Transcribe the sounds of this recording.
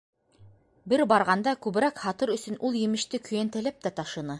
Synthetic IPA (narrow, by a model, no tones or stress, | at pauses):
bɘɾbɑɾʁɑnd̪ɑkʉβɘ̆ɾækhɑt̪ɤɾɵ̆sɵ̆nʔulˠjɘ̆mɘ̆ʃt̪ɘkʰɵ̆jænt̪æ̆læp̚t̪æt̪ɑʃɤ̆nɤ